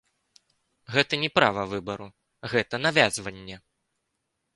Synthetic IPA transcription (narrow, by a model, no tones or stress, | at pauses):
ɣɛt̪ɐnʲɛpɾavɐvɨbɐɾu | ɣɛt̪ɐnavʲazvɐnʲːɛ